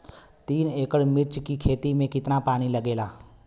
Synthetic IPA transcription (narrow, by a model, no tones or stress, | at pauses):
t̪iːneːkəɽmɪɾt͡ʃkikʰeːt̪imẽkɪt̪napaːɽ̃iləɡeːlaː